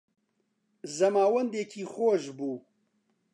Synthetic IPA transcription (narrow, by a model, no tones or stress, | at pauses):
zɐmaːwɐnd̪eːkʰixoːʒbuː